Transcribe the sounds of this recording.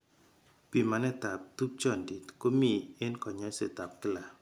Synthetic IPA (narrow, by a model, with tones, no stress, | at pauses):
pi˨ma˨nɛ˦t̪a˨p̚tu˦k̚t͡ʃɔ˦˨ndi˨tko˦mi˦˨e˦nkɔ˨ɲɔ˦se˨t̪a˨p̚kɪ˦la˨